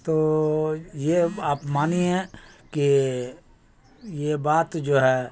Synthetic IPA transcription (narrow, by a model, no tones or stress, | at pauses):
t̪oː | jeaːpmaːniɦɛ̃ki | jebaːt̪d͡ʒoːɦɛː